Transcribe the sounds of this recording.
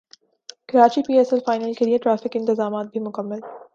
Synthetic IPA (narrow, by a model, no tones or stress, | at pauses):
kɐɾaːt͡ʃipiːɛːsɛlfaːɪnəlkelijeʈɾaːfɪkɪ̃nt̪ɪzaːmaːt̪̚bʱimʊkəmːəl